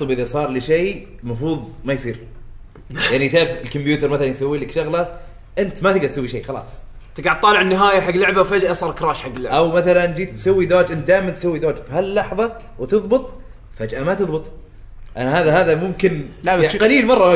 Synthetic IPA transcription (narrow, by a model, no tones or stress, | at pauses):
sˤɨbʔɪðasˤɑːɾˤlɪʃeː | mɑfɾuːðˤmajsˤiːɾ | jaʕnit̪aːɾfɪlkʊmbjuːt̪ɪɾˤmaθalanjsawːiːlakʃʊɣla | ʔɪnt̪mat̪ɪɡd̪ɑɾt̪sawːiʃḛːxɑlɑ̰ːsˤt̪ɪɡɑʕt̪ˤːɑːlɪʕɪnːɪɦaːjaħaɡːlʊʕbawfad͡ʒʔasˤɑːɾˤkɾaːʃħaɡːɪlːʊʕʔawmaθaland͡ʒiːt̪sawːid̪oːd͡ʒʔɪnt̪̚d̪aːjɪmant̪sawːid̪oːd͡ʒfihalːɑħðˤɑ | wt̪ɨðˤbɨt̪ˤ | fad͡ʒʔamat̪ɨðˤbɨt̪ˤ | ʔanaɦaːðahaːðamʊmkɪnqaliːlmɑrˤːɑ